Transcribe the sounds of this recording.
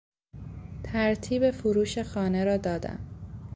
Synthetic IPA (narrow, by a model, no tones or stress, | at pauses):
t̪ʰæɾt̪ʰiːbe̞foɾuːʃe̞xɒːne̞ɾɒːd̪ɒːd̪æ̰m